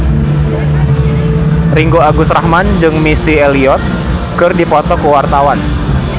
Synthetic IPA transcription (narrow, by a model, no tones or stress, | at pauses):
riŋɡoaɡusɾahmand͡ʒɨŋmisieliɔt̪̚ | kɨrdipɔt̪ɔkəwart̪awan